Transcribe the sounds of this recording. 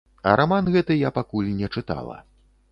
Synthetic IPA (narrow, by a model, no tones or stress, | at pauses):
ɐ̰ɾʔamanɣɛt̪ɨjapakulʲnʲɛt͡ʂɨt̪a̰lˠɐ̰